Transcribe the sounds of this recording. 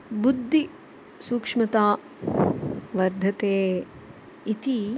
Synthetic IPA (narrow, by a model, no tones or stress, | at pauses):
bud̪ʱːi | suːkʂmɐt̪aː | ʋɐɾd̪ʱɐt̪eː | it̪i